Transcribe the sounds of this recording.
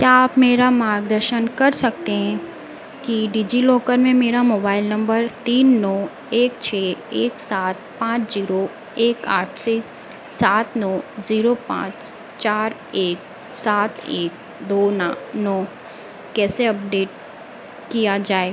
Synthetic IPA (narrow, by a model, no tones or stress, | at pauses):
kjaːpmeːɾamaːɾɡ̚d̪əɾʃənkɐɾsɐkt̪eɦɛ̃ | kiɖiːd͡ʒilɔːkəɾmẽmeːɾamoːbaːɪlnɐ̃mbəɾt̪iːnːɔː | eːkt͡ʃʰɛːeːksaːt̪̚pãːt͡ʃziːɾo | eːkaːʈʰse | saːt̪nɔːziːɾopã̰ːt͡ʃ | t͡ʃaːɾ | eːk̚ | saːt̪ʰeːk | d̪oːnanɔː | kɛːseɐp̚ɖeːʈ̚ | kijad͡ʒaːe